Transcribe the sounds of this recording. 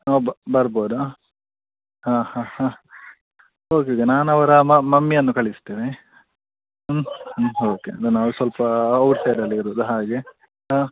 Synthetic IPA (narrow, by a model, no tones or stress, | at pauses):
ɔbːɐbɐɾboːd̪u | hãːhãːhaː | oːkeokenaːnɐʋɐɾɐɐmɐmːijɐnːukɐɭist̪eːʋe | oːkeɐd̪unaːʋusʋɐlpɐɐwʈsɐjɖɐlːiɾuːd̪uɦaːɡe | a